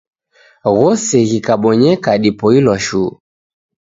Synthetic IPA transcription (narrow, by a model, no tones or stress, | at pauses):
ɣɔsɛɣikaɓɔɲɛkaɗipɔilɔʃuː